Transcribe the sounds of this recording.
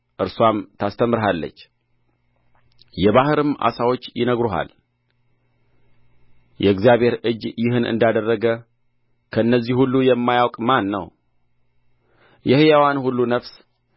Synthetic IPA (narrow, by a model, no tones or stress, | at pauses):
ʔɨɾswamt̪ʰast̪ʰəmːɨɾɦalːə̰t͡ʃː | jɛβahɨɾɨmʔa̰sawot͡ʃːjɪnəɡɾoɦa̰l | jɛɨɡzijaβhe̞ɾɨd͡ʒjɪɦɨnɨ̰nd̪ad̪ərːəɡə | kʰəɨnːəzːihhulːujɛmːajawkʼmanːə̰w | jɛhjawanhulːunəfs